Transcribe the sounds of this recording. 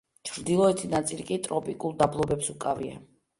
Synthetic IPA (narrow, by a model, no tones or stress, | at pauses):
t͡ʃʰɾd̪ilˠɔɛt̪ʰinat̪sʼilikʼit̪ʼɾɔpʼikʼulˠd̪ablˠɔbɛpsukʼavḭa̰